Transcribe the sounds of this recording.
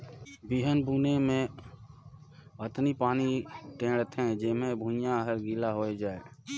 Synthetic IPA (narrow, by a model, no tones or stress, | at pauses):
biɦənbuːnemẽ | ət̪nipaːniʈẽːɽət̪ʰɦɛ̃d͡ʒɪmẽbʱũjãɦəɾɡiːlaɦoːed͡ʒaːeː